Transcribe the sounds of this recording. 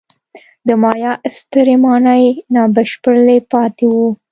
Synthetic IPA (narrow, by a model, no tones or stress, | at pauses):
d̪əmɑjɑst̪əɾemɑnajnɑbəʃpəɽlepɑt̪ewu